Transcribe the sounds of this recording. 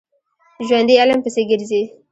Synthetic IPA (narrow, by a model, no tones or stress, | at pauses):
ʒwand̪ialəmpəseɡɪɾzi